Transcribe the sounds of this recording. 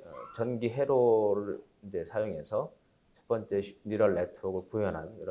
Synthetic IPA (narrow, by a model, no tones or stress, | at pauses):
ʌt͡ɕʌnɡiɦe̞ɾoɾɯɭ | ind͡ʑe̞sʰajoŋe̞sʰʌ | t͡ɕʰe̥p͈ʌnt͡ɕ͈e̞niɾʌɭːetʰɯɾoɡɯɭpujʌnɦaniɾʌ